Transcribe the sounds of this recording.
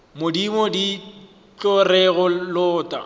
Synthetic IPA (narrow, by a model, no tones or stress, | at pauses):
mʊdimodi | t͡ɬʼɔrɛɣʊlʊːtʼa̰